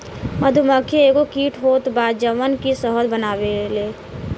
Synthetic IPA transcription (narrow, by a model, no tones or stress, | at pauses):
məd̪ʱuməkʰːjeeːɡokiːʈʰɦoːt̪baːd̪d͡ʒəʋənkisəɦəd̪bənaːʋeleː